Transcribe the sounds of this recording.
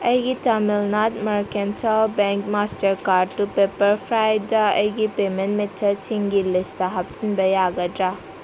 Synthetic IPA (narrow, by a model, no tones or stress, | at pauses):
ɐjɡitɐmilnat̚mɐɾkentʰalbɛŋkmastɐɾkaɾɖ̚tupepɐɾpʰɾajdɐɐjɡipementmetʰːɐt͡ʃiŋɡilistaɦɐp̚tʰinbɐjaɡɐdɾa